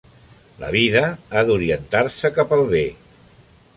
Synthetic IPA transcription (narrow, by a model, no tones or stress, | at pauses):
lə̰β̞iðəaðuɾiənt̪aɾsəkapəlˠβe